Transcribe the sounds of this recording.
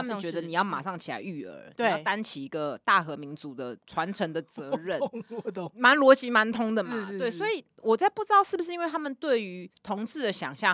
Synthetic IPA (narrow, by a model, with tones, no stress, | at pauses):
amə˨˥˨t͡ɕɥɛ˧˦d̪ə˨ni˨˩jɑ˥˩ʊma̰˨˩ʂɑ˥˩ŋt͡ɕʰi˨la̰˧ɪy˥˩ə̰˞˧˥n˨jt̪a˦nt͡ɕʰi˨˩i˧˥ɡə˨t̪a˥˩xɤ˧˥mi˧˥nt͡su˨˩d̪ə̰˦ʈ͡ʂʰwa˧˦nʈ͡ʂʰə˧˥ŋd̪ə˨t͡sɤ˨˦ɻə˥˩ | ma˧˦˥nlwɔ˧˥t͡ɕi˧˥ma˧˦nt̪ʰʊ˥ŋd̪ə˨ma˨˧we˥˩swɔ˧˥i˨˩ | wɔ˨˩t͡sa˥˧ɪpu˥˩ʈ͡ʂɻ̩˥t̪ɑ˥˧ʊʂɻ̩˥˩bu˩ʂɻ̩˥i˥nwe˥˩ɪt̪ʰa˥mə˨nt̪we˥˩ɪy˧˥t̪ʰʊ˧˥ŋt͡sʰɹɻ̩˥˩d̪ə˩ɕjɑ̰˨˩ŋɕjɑ˥˩ŋ